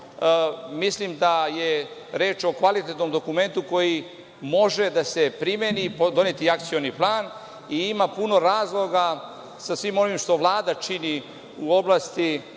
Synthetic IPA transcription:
mislimd̪ajeɾeːt͡ʃo̞kʋalit̪et̪no̞md̪o̞kume̞nt̪uko̞ji | mo̞ʒe̞d̪ase̞pɾimenipod̪o̞net̪iak̚t̪sijo̞niplˠaːn | iimapuno̞ɾaːzlˠo̞ɡa | sasʋiːmo̞ʋimʃt̪o̞ʋlˠaːd̪at͡ʃini | uo̞blˠaːst̪i

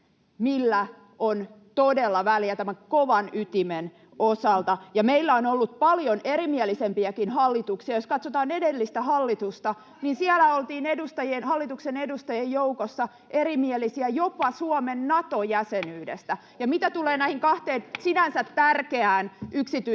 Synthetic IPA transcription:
milːæ | ʔon | t̪odelːɑʋæljæt̪æmæŋkoʋɑnyt̪imen | osɑlt̪ɑjɑmeilːæonolːut̪̚pɑljonerimielisempiækinhɑlːit̪uksiɑjoskɑt̪sot̪ɑːnedelːist̪æhɑlːit̪ust̪ɑ | ninsiælæolt̪iːnedust̪ɑjenhɑlːit̪uksenedust̪ɑjejjoukosːɑ | ʔeɾimielisiæjopɑsuomenːɑt̪ojæsenyːdest̪æ | jɑmit̪æt̪uleːnæihiŋkɑht̪eːnsinænsæt̪tærkeæːnʔyksit̪y

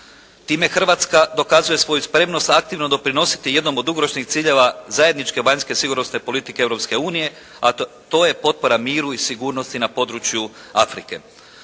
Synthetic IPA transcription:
t̪iːme̞xr̩ʋat̪skad̪o̞kazuje̞sʋo̞juspɾe̞mno̞st̪ak̚t̪iʋno̞d̪o̞pɾino̞si̥t̪ije̞d̪no̞mod̪ːuɡo̞ɾo̞ʃnixt̪siːʎe̞ʋazaje̞d̪nit͡ʃkeʋaɲske̞siɡuɾnosne̞po̞lit̪ikeeʋɾo̞pske̞uːnije̞ | a | t̪o̞ːje̞po̞t̪̚po̞ɾamiːɾuisiɡuːɾno̞st̪inapo̞d̪ɾut͡ʃju | afɾike̞̰

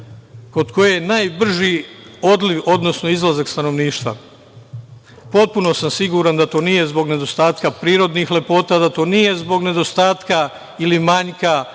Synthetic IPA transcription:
ko̞d̪ko̞jejenaːjbr̩ʒio̞d̪liʋo̞d̪no̞sno̞izlˠazakst̪ano̞ʋniːʃt̪ʋa̰ | po̞t̪̚puno̞samsiɡuɾand̪at̪o̞ːnije̞zbo̞ɡne̞d̪o̞st̪aːt̪kapɾiːɾo̞d̪nixle̞po̞ːt̪ad̪at̪o̞ːnije̞zbo̞ɡne̞d̪o̞st̪aːt̪ka | ilimaɲka

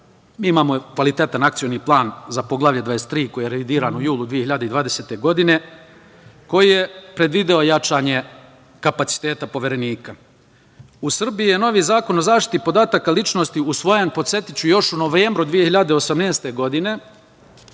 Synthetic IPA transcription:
miːimaːmo̞kʋalit̪e̞t̪anakt̪sio̞niːplˠaːnzapo̞ɡlˠaːʋʎed̪ʋaest̪ːɾiːko̞jijeɾeʋid̪iːɾaːnujuːlˠud̪ʋije̞hiʎad̪eid̪ʋaːd̪e̞se̞ːt̪e̞ɡo̞d̪ine̞ | ko̞jijepɾe̞d̪ʋid̪eo̞jat͡ʃaːɲe̞ | kapat̪si̥t̪e̞ːt̪apo̞ʋjeɾe̞niːka | usr̩biijeno̞ʋiːzaːko̞no̞zaːʃt̪i̥t̪ipo̞d̪aːt̪akalit͡ʃno̞st̪iusʋo̞jenpo̞t̪se̞t̪it͡ɕujo̞ʃunoʋeːmbɾud̪ʋije̞hiʎad̪eo̞samne̞ːst̪e̞ɡo̞d̪ine̞

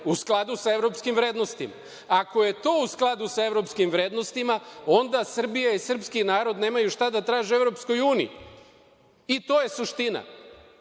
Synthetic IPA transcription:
usklˠad̪usae̞vɾo̞pskimvɾe̞ːd̪no̞st̪ima̰ | ako̞je̞t̪o̞ːusklˠad̪usae̞vɾo̞pskimʋɾe̞ːd̪no̞st̪imao̞nd̪asr̩bijaisr̩pskinaːɾo̞d̪ne̞ːmajuʃt̪ad̪at̪ɾaːʒee̞vɾo̞psko̞juːnḭḭ | it̪o̞je̞suʃt̪ina̰

